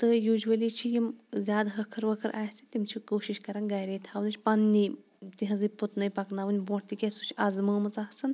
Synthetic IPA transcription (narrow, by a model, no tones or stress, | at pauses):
t̪ɨjuːʒʋɐlʲit͡ʃʰijimzʲaːd̪ɦɐkʰɐɾʋɐkʰɐɾʔaːjsit̪ʲimt͡ʃʰikoːʃiʃkɐɾaːnɡɐjɾeːt̪ʰaːʋnɨt͡ʃʰʲpɐnːi | t̪iɦɐ̃zɨput̪nɐjpɐknaːʋɨnʲbõːʈt̪ikʲɐsut͡ʃʰɐzməːmɨt͡saɦsɨn